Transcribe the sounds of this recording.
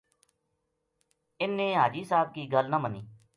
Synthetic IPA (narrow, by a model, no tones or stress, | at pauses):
ɪnːẽːɦaːd͡ʒiːsaːb̚kiːɡəlnəməniː